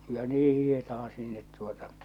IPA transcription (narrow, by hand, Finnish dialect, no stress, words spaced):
jɑ niː hihetɑhɑ sinːet tuotɑ